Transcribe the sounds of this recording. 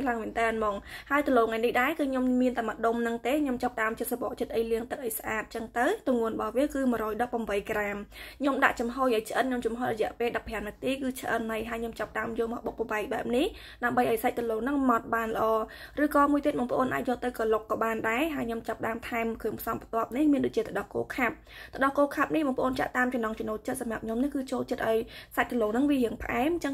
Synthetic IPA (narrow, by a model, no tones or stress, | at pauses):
laəŋmiənt̪ɛənmɑːŋhaəjt̪əloːŋajnihɗaɛkɨːɲommiənt̪aːməɗomnɨŋt̪eːɲomt͡ɕɑp̚ɗaəmt͡ɕət̪̚saɓɑ̰ːʔt͡ɕət̪̚ʔəjliəŋt̪ɨk̚ʔəjsʔaːt̪̚t͡ɕəŋt̪ɨwt̪ʊŋuənɓɑhʋiəkɨːmɨəɾɔːjɗɑpːaəmʋəjkraːmɲomɗa̰ʔt͡ɕɑmɦoːjʔaːjt͡ɕʰʔət̪̚ɲomt͡ɕumɦoːjrɔjɛ̆əʔpeːlɗɑpʰːɛənːɨt̪iːkɨːt͡ɕʰəʔə̰nɦajɦaəjɲomt͡ɕɑp̚ɗaəmjoːlmɔʔɓok̚pɔɓaɛk̚ɓaɛp̚nih | ɗaəmɓəjʔaɔjsac̚t̪əloːŋnɨŋmɑt̪̚ɓaːnlə̆ʔɑːrɨːkɑːmuət̪iət̪ɓɑːŋpəʔoːnʔa̰ːc̚jəːlt̪ɨwkɑlokːɑːɓaːnɗaɛɦaəjɲomt͡ɕap̚ɗaəmt̪ʰaɛmkʰɨəŋpʰsɑmpʰət̪ŏəp̚nihmiənɗoːc̚t͡ɕiət̪ʰɗɑlko̰ːkʰap̚ | t̪ʰə̆ɗɑlkoːkʰap̚nihɓɑːŋpə̆ʔoːnt͡ɕa̰ʔt̪aːmt͡ɕɑmnɑŋt͡ɕonoːl̚t͡ɕət̪̚samrap̚ɲomnihkɨːt͡ɕoːlt͡ɕət̪̚ʔaɔjsac̚t̪əloːŋnɨŋʋiɦiəŋpʰə̆ʔaɛmt͡ɕəŋ